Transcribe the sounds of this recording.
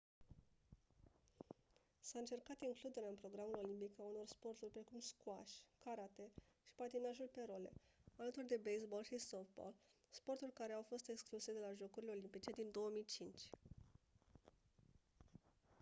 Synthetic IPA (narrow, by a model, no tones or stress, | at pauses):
saɨnt͡ʃe̞rkat̪iŋklud̪e̞ɾeaɨnpɾo̞ɡɾamulo̞limpikauno̞rspo̞rt̪urʲpɾe̞kumskuaʃʲkaɾat̪e̞ʃi̥pat̪inaʒulpe̞ɾole̞̰alət̪urd̪e̞bejsbo̞lʃisofbo̰l | spo̞rt̪urʲkaɾe̞awfo̞st̪e̞kskluse̞d̪e̞laʒo̞kuɾile̞o̞limpit͡ʃe̞d̪ind̪o̞wəmijt͡ʃint͡ʃʲ